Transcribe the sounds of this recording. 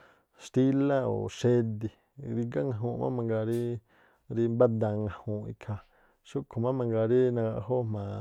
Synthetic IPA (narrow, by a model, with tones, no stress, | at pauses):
ʃt̪i˦la˦o̰˨ʃe˦d̪i˧ | ɾi˧ɡa˦ŋã˧ɦũ˧mã̰˦mã˧ŋɡa˧ɾi˦ | ɾi˧mba˦d̪ã˧ŋã˨˧hũ˧˨ḭ˧kʰa˧ | ʃu˦kʰo˨mã˦mã˧ŋɡa˧ɾi˦nã˧ɡa˧ʔɦo˦mã˨